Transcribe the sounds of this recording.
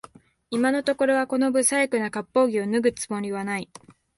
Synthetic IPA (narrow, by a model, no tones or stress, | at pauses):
imano̞t̪o̞ko̞ɾo̞β̞ako̞no̞bɯ̟saikɯ̟nakapːo̞ːɡʲio̞nɯɡɯ̟t͡sɨmo̞ɾʲiβ̞anai